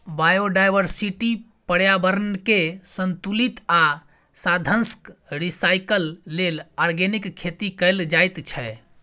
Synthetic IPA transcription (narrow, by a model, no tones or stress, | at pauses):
bajoɖajʋəɾsiʈi | pəɽjabəɾənkesənt̪ulit̪a | sad̪ʱənskɾisajkəlːelaɾɡenikʰːet̪ikəjld͡ʒajt̪t͡ʃʰɛ